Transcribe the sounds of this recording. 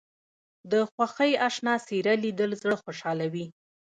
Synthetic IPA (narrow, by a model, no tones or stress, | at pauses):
d̪əxwaxəjaʃnɑsiɾalid̪əlzɽəxoʃɑlawi